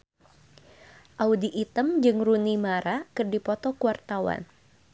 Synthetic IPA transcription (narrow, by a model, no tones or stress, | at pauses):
ʔaudiʔːt̪əmd͡ʒɨŋrunimaɾakɨrdipɔt̪ɔkuwart̪awa̰n